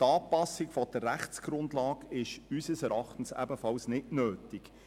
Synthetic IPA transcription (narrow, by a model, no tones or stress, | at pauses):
tɑːpɑsːɪɡfɔd̥ərːæχt͡sɡ̥ɾʊndlɑːɡɪʃysəsɛɾɑχtən̩sæ̰bəfɑlsnɪtnøːtɪk